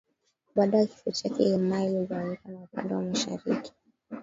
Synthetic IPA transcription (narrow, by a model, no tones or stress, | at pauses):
ɓaɗajaki̥fut͡ʃakɛɛmailuɡaikanaupa̰ndɛwamaʃa̰ɾiki̥